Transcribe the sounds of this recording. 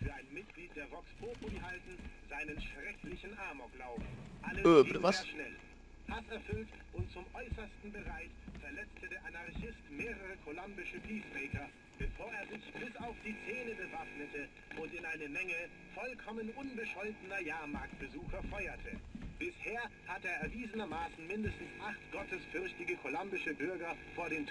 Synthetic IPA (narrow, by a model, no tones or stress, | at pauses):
fyːɐaɪnmɪt̚ɡ̥liːt̚d̥eːɐʁɔkspʰoːpʰolihaltn̩zaɪnənʃʁ̥ɛkʰlɪçn̩ʔaɐmoɡlaʊbʔalə̥iːaːʃnɛl | hʰasɛɐfʏlt | ʔʊntt͡sʊmʔɔʏsɐstn̩bəʁaɪçfɛɐlɛt͡stʰədeːɐʔanaɐçɪstmeːʁəʁəkʰolambɪʃəpʰiːsbɛɪkɐ | b̥əfoːɐeːɐzɪçb̥ɪsaʊfd̥iːt͡seːnəbəvafnətə | ʔʊntɪnaɪnəmɛŋə | fɔlkʰɔmənʔʊnbəʃɔʏtənɐjaːɐmaɐk̚tb̥əzuːxɐfaʏɐtʰə̰b̥ɪsheːɐhatəeːɐɛɐviːzənɐmaːsn̩mɪndəstn̩sʔaχtɡ̥ɔtəsfʏɐçtɪɡəkʰolambɪʃəbʏɐɡɐfoːɐɾeːntʰ